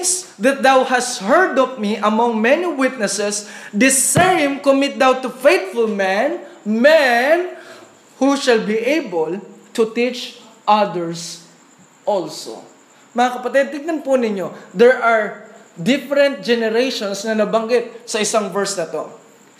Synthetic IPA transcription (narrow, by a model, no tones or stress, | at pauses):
s | ðɐt̪̚d̪awhast̪hɛɹd̪ɔvmiʔɐmɔ̃ŋmɛniwɪt̪̚nɛsɛsd̪ɪsɛɹɪ̃mkomɪt̪̚d̪awt̪ʊfejt̪fʊlmɛnmɛn | huʃɐlbiʔejbolt̪ʊt̪it͡ʃ | ʔad̪ɛɹs | ʔɔlso̰ | mɐŋakɐpɐt̪ɛd̪̚t̪ɪɡ̚nɐnpʊnɪɲod̪ɛɹʔaɹd̪ɪfɛɾɛ̃nt̪̚d͡ʒɛnɛɾejʃonsnɐnɐbɐŋɡɪt̪̚sɐɪsaŋvɛɹsnɐt̪o